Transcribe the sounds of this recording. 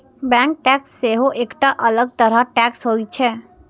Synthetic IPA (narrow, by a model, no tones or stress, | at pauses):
bɛ̃ŋk̚ʈɛksːeɦoʔekʈaʔələɡ̚t̪əɾaʈɛksɦoit͡ʃʰɛ